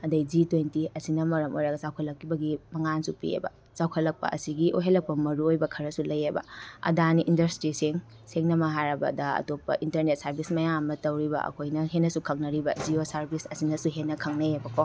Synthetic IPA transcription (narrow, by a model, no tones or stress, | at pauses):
ɐdɐjd͡ʒitwentiɐsinɐmɐɾɐmo̰jɾɐɡɐt͡ʃawkʰɐlːɐkːibɐɡimɐŋansupḭḛbɐ̰ | sawkʰɐlɐk̚pɐ̰ʔɐ̰siɡiʔo̰jɦelːɐk̚pɐmɐɾuojbɐkʰɐɾɐsulɐjebɐ̰ɐ̰daniʔindɐɾstɾisiŋ | seŋnɐmɐɦajɾɐbɐ̰dɐɐ̰topːɐ̰ʔintɐɾnet̚sɐɾbismɐjaŋɐmɐtɐwɾibɐ̰ʔɐ̰kʰojnɐɦenːɐsukʰɐŋnɐɾibɐd͡ʒiosɐɾbisɐsinɐsuɦenːɐkʰɐŋnɐebɐkʰo